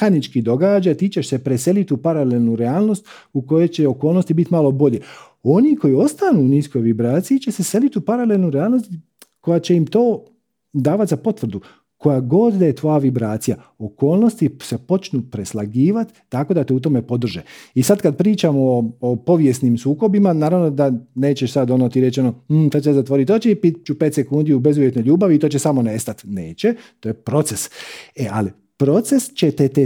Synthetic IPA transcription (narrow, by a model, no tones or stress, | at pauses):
xanit͡ʃkid̪o̞ɡaːd͡ʒat̪iːt͡ɕe̞ʃse̞pɾese̞lit̪upaɾalelnuɾeaːlˠno̞st̪ | uko̞je̞t͡ɕe̞oko̞ːlno̞st̪ibit̪maːlˠo̞bo̞ʎe̞ | o̞niko̞jio̞st̪anuːnisko̞jʋibɾaːt̪sijit͡ɕe̞sese̞lit̪upaɾalelnuɾeaːlˠno̞st̪ | ko̞jat͡ɕe̞imt̪o̞ː | d̪aːʋat̪ʲzapo̞t̪ʋr̩d̪u | ko̞jaɡo̞d̪d̪aje̞t̪ʋo̞jaʋibɾaːt̪sija | oko̞ːlnost̪isepo̞t͡ʃnupɾeslˠaɡiːʋat̪ːako̞d̪at̪eut̪̬o̞mepo̞d̪r̩ʒeisad̪kad̪̚pɾiːt͡ʃamooopo̞ʋje̞snimsuːko̞bimanaːɾaʋno̞d̪aneːt͡ɕeʃsad̪onot̪iɾet͡ʃenom̩sat͡ʃezat̪ʋo̞ɾit̪ot͡ʃeipit̪t͡ʃupet̪sekund̪iube̞zuʋjet̪noʎuːbaʋit̪o̞ːt͡ʃesamo̞nest̪at̪neːt͡ɕe̞t̪oːjepɾo̞t̪seseʔali | pɾo̞t̪se̞st͡ɕet̪et̪e